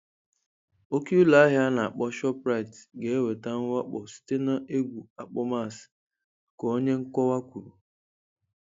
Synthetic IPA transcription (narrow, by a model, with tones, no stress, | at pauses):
o˦ki˦u˦la˦ɦja˦na˨a˨k͡pɔ˦ʃɔ˦pɾa˦i˨tɡe˨e˦we˨ta˦ŋ̩˦wa˦k͡pɔ˨si̥˦te˦na˦e˦ɡʷu˨a˨k͡pɔ˦ma˦˨s | kɔ˨o˦ɲe˦ŋ̩˦kʷɔ˦wa˦kʷu˨ɾu˨